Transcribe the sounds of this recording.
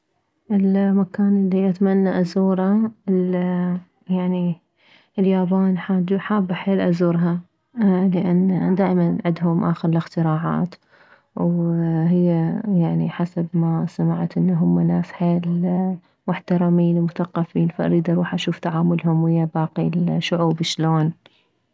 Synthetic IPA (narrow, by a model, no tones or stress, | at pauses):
ʔɪlmakaːnʔɪlːiʔat̪manːaʔazuːɾal | jaʕni | ɪljaːbaːnħaːd̪ħaːbːaħeːlʔazuːɾɦa | lɪʔanːd̪aːʔmanʕɪd̪ɦʊmʔa̰ːxɪɾɪlɪxt̪ɪɾɑːʕa̰ːt̪ | wɦɪjːajaʕniħasabmasamaʕt̪ʔɪnːaɦʊmːanaːsħeːl | mʊħt̪ɑɾˤɑmiːnwmʊθɑqːɑfiːnfaʔa̰ɾiːd̪ʔɑɾˤuːħʔaʃuːft̪aʕaːmʊlɦʊmwɪjːabaːqilʃʊʕuːbʃloːn